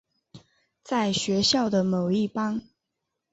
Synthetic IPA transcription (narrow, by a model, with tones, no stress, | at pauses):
t͡sa˥˩ɪɕɥɛ˧˥ɕjɑ˥˩ʊd̪ə˩mo˨˩ʊi˥˩pɑ˥ŋ